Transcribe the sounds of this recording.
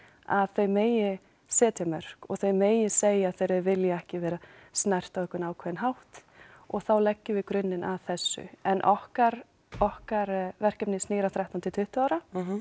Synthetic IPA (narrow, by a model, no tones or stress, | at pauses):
aðθœɥmeːjɪ | sɛːt̪jamœr̥kɔɣθœɥmeːjɪseːjaθejɾɪvɪljaɛhcɪvɛːɾasnajr̥t̪aɛhkʏnaːwkʰvɛːnɦawht̪ɔɣθawlɛcːʏvɪkɾʏnːɪnaðθɛsːʏ̰ɛnʔɔhkaɾ | ɔhkaɾvɛr̥cɛpnɪsniːɾawθɾaht̪ant̪ʰɪt̪ʰʏht̪ʏaːwɾa